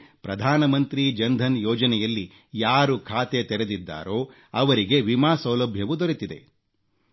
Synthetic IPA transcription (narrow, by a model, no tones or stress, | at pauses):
pɾɐd̪ʱaːnɐmɐnt̪ɾid͡ʒɐnd̪ʱɐnjɔːd͡ʒɐnɛjɐlːi | jaːɾukʰaːt̪et̪ɛɾed̪id̪ːa̰ːɾo̞ː | ɐʋɐɾiɡe̞ʋimaːsɐwlɐbʱjɐʋud̪oɾit̪id̪e̞̰